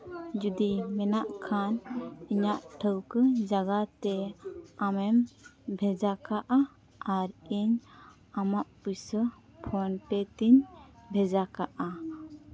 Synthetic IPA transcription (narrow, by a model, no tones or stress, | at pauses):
d͡ʒud̪imɛnaʔkʰaniɲaʔʈʰəwkəd͡ʒaɡat̪ɛamɛmbʱɛd͡ʒakaʔa | aɾiɲ | amaʔpusə | pʰɔnpɛt̪iɲbʱɛd͡ʒakaʔa